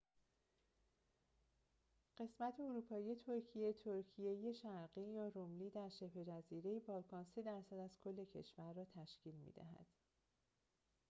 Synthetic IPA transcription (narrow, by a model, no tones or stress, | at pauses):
ɢ̥e̞smæt̪ʰe̞oɾuːpʰɒːjije̞t̪ʰo̞ɾcʰije̞t̪ʰoɾcʰijejeʃæɾɢiːjɒːɾomliːd̪æɾʃe̞pʰɾe̞d͡ʒæziːɾe̞jebɒːlkʰɒːnse̞d̪æɾsæd̪æzkʰo̞lːe̞cʰe̞̰ʃvæɾːɒːt̪ʰæʃciːlmḭd̪æ̰ɦæ̰d̪̥